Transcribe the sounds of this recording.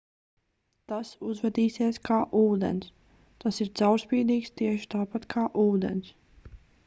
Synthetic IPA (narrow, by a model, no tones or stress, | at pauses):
t̪asuzvɛd̪iːsiɛskʰaːʔuːd̪ɛ̰ns | t̪asiɾt̪sawɾspiːd̪iːkst̪iɛʃi̥t̪aːpat̪kʰaːʔuːd̪ɛ̰ns